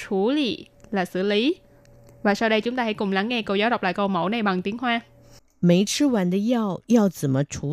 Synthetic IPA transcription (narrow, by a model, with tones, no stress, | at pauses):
t͡ɕʰu˧˩˦lḭ˧˨ | laː˨˩sɨ̰˧˩li˨˦ | vaː˨˩sa˧wɗə˧jt͡ɕʊ˨˦ŋ͡mt̪aː˧ha̰˧˥jkʊ˨˩ŋ͡mla˨˦ŋːɛ˧ko˧zaː˨˦wɗk͡p̚la̰ː˧˨jkə˧wmo˧˩˦na˨˩jɓa˨˩ŋt̪i˨˦əŋɦwaː˧ | me˨˥ɪʈ͡ʂ̩ʰ˦˥wa˧˥nd̪ə˧jɑ˥˧ʊjɑ˥˧ʊwt͡sə˨˩mə˦ʈ͡ʂʰu˧˥˦